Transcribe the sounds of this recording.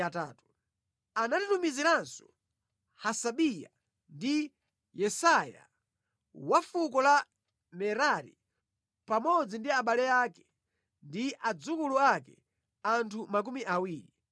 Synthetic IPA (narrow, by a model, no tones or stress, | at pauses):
ataːtu | anatitumiziɾansɔ̥ | hasaɓija̰ | ndi | jɛsaja̰ | wafuk̬ɔla | mɛɾaɾḭ | pamɔd͡zindiaɓalɛaːkɛ̥ | ndiʔad͡zukuluakɛ̰ | antʰumak̬umiʔawiːɾi